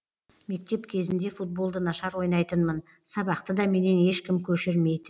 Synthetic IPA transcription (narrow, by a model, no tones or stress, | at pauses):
me̞k̚t̪e̞pkʲʰe̞zɪnd̪e̞fut̪̚bo̞lˠd̪ənɑʃɑɾwo̞jnɑjt̪ənmən | sɑbɑqt̪əd̪ɑme̞ne̞ne̞ʃkʲɪmkʲʰɵʃɪɾme̞jd̪ɪ